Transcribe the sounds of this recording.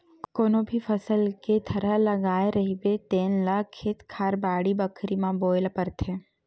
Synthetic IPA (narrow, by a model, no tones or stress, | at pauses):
konobʱifəsəlket̪ʰəɾələɡajɾəɦiʋet̪enləkʰːet̪kʰaɾbaːɽibəkʰɾimãbojlpəɾt̪ʰe